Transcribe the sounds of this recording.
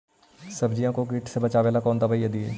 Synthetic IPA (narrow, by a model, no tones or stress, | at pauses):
sɐbd͡ʒijãkokiːʈsebɐt͡ʃaːʋeːlakɔːnd̪ɐbajẽd̪iḛː